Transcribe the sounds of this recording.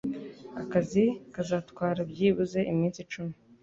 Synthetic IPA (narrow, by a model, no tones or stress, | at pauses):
akazikazatkwaːɾabjiːβuze̞ʔimiːnsit͡ʃumi̥